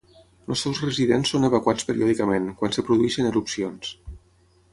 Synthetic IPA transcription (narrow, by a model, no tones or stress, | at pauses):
ləsɛwzrəziðensːonəβəkwat͡spəɾiɔðikəmenkwansəpɾuðuɛʃənəɾupsions